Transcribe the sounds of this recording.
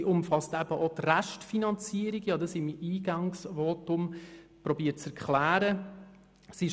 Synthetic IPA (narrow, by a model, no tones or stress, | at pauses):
iʔʊmfɑstæb̥əʔot̪ræʃtfinɑnt͡siəɾiɡjɑːd̪ɑsimiːɡɑŋsʋɔtʊm | pɾɔbiːt͡sɛɾkχlæːɾə | si